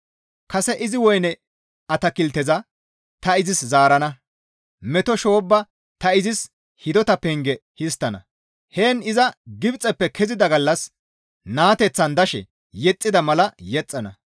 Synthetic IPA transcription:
kɐsɛʔɪzɪwɔjnɛ | ɐt̪ɐkɪlt̪ːɛzɐ | t̪ɐɪzɪszaːɾɐnɐ | mɛt̪ɔʃo̞ːbːɐ | t̪ɐɪzɪs | hɪd̪ɔt̪ɐpɛŋɡɛhɪst̪ːɐnɐ̰ | heːnɪzɐɡɪbt͡sʼːɛpːɛkʰɛzɪd̪ɐɡɐlːɐs | naːt̪ɛt͡sːɐnd̪ɐʃɛ̰ | jɛt͡sʼːɪd̪ɐmɐlɐjɛt͡sʼːɐnɐ̰

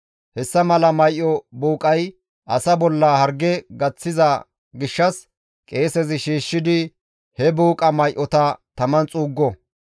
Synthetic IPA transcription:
hɛsːɐmɐlɐmɐjʔːɔbuːkʼɐj | ʔɐsɐbɔlːɐhɐɾɡɛɡɐt͡sːɪzɐ | ɡɪʃːɐs | kʼe̞ːsɛzɪʃiːʃːɪd̪ɪ | hɛbuːkʼɐmɐjʔɔt̪ɐt̪ɐmɐnt͡sʼuːɡːɔ

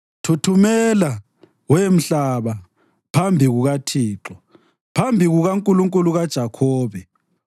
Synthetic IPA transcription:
tʰutʰumɛla | wem̩ɬaβa | pʰambʱiɣuɣatʰiːǁɔ | pʰambʱiɣuɣaŋkʼuluŋkʼuluɣad̥ʒ̥ʱakʰɔːβɛ

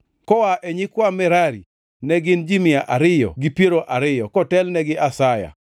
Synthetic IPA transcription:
kɔwaʔɛɲɪkwamɛɾaɾḭ | nɛɡɪnd͡ʒimɪaʔaɾɪjɔ̰ɡipieɾoʔaɾɪjɔkɔtɛlnɛɡɪʔasaja̰

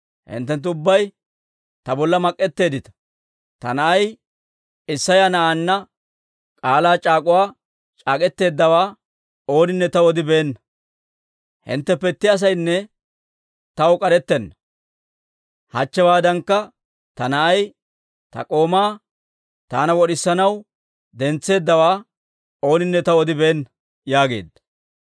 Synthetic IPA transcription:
hɪ̰nt̪ːɛnt̪̬ːʊbːɐj | t̪ɐbɔlːɐmɐkʼːɛt̪ːe̞ːd̪ɪt̪ɐ̥ | t̪ɐ̰nɐʔɐj | ɪsːɐjanɐʔaːnːɐ | kʼaːlaːt͡ʃʼaːkʼʊwaː | t͡ʃʼaːkʼɛt̪ːe̞ːd̪ːɐwaː | o̞ːnɪnːɛt̪ɐwɔd̪ɪbe̞ːnːɐ | hɪ̰nt̪ːɛpɛt̪ːɪɐs̬ɐjnːɛ | t̪ɐwkʼɐɾɛt̪ːɛnːɐ | hɐt͡ʃːɛwaːd̪ɐŋkːɐ | t̪ɐnɐʔɐj | t̪ɐ̰kʼo̞ːmaː | t̪aːnɐwɔɗɪsːɐnɐw | d̪ɛnt͡sːe̞ːd̪ːɐwaː | o̞ːnɪnːɛt̪ɐɔd̪ɪbeːnːɐ | jaːɡe̞̰ːd̪ːɐ̥

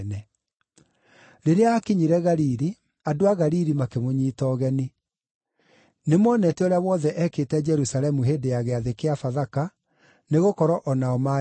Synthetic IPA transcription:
nɛ | ɾeɾeaːkeɲiɾɛɣaɾiɾi | adoaɣaɾiɾimakemoɲiːtɔɣɛni | nemɔnɛtɛɔɾeawɔðɛʔɛketɛd͡ʒɛɾusalɛmuɦeːndejaɣɛaðekeafaðaka | neɣokɔɾɔʔɔnaɔma

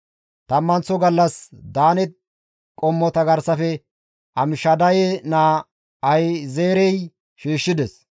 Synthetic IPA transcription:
t̪ɐmːɐnt͡sɔɡɐlːɐsd̪aːnɛt̪̚ | kʼɔmːɔt̪ɐɡɐɾsɐfɛ | ʔɐmɪʃɐd̪ɐjɛnaː | ɐjzeːɾɛj | ʃiːʃːɪd̪ɛs

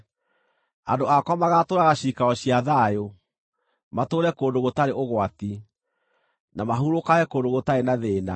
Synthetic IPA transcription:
andoakwamaɣatoːɾaɣaɕikaɔɕijaðajo | matoːɾɛkoːndoɣotaɾeoɣwati | namaɦuɾokaɣɛkoːndoɣotaɾenaðeːna

